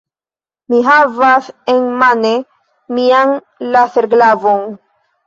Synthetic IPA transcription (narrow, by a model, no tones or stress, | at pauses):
miɦavasenmane | mian | laθeɾɡlavon